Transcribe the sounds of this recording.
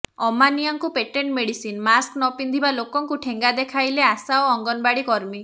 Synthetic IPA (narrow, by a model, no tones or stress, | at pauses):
ɔmanijaŋkupeʈeɳʈmeɽisinmasknɔpind̪ʱibalokɔŋkuʈʰeŋɡad̪ekʰajleasaoɔŋɡɔnbaɽikɔɾmi